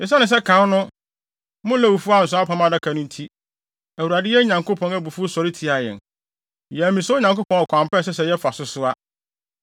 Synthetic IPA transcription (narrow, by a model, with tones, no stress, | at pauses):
ɪ̃˨s̬ã˦nɪ̃˨s̬ɛ˦kʰã˨˦nʊ̃˦ | mʊ̃˦lɛ˦wu˨fu˦a˦˨n̩˨s̬ʊ̃˦a˦pʰã˦mã˦da˦kʰa˨nʊ̃˦n̩˦tʰi˦ | æ˨wu˨ɾa˨dɪ˦jɛ˦ɲã˨ŋkʰo˦pʰɔ̃˦næ˦bu˨fu˦sɔ˨ɾɪ˦tʰi˨a˨jɛ̰̃˨n | jɛ˨mĩ˨sɛ˦ɲã˨ŋko˦pʰɔ̃˨˦˨ɔ˨kʷʰã˨m˨pɛ˦˨s̬ɛ˦s̬ɛ˨jɛ˦fa˨sʊ˦sʊ˦a˦